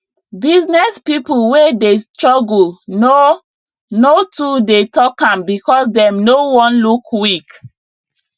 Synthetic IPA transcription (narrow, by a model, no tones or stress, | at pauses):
biznɛspipulwedestɹɔɡulno | notudetɔkãmbikɔsdɛ̃mnowɔ̃nlukwik